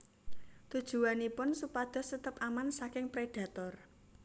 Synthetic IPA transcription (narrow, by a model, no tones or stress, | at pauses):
t̪ud̥ʒ̥ṳwanipʊnsupad̪̥ɔ̤sət̪əpamansakɪŋpɾeɖ̥a̤t̪ɔr